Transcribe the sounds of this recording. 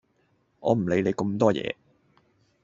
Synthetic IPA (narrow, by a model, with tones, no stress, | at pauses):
ʔɔː˨˧m̩˨˩le˨˥jle˨˧jkə˧mt̪ɔː˥jɛ̰ː˨˧